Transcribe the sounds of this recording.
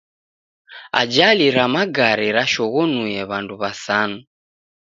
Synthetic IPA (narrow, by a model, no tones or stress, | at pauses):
a̰d͡ʒaliɾamaɡaɾiɾaʃɔɣɔnujɛβanduβasanu